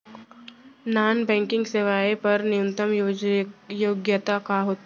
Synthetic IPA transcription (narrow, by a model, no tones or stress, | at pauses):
naːnbɛ̃ːŋkɪ̃ŋɡseʋaːepɐɾnɪjũnt̪əmjojoːɡjət̪akaɦoːt̪ː